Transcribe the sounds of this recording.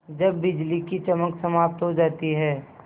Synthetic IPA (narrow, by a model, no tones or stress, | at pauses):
d͡ʒɐbːɪd͡ʒlikit͡ʃəməksəmaːp̚t̪ɦod͡ʒaːt̪iɦɛː